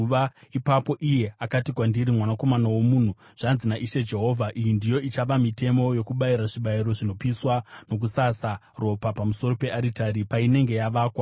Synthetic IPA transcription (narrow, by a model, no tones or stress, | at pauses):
ʋaipapo̞ʔije̞akatikwandiɾimwanako̞manawomuːn̤u | ʐ̥anzinaʔiʃe̞d͡ʒe̞ɦo̞vʱaʔijindijo̞it͡ʃaʋamite̞mo̞jo̞kuɓaiɾaʐiɓaiɾo̞ʐino̞piswano̞k̬usasa | ro̞papamuso̞ɾo̞pe̞aɾitaɾipaine̞ŋɡe̞jaʋaːkwa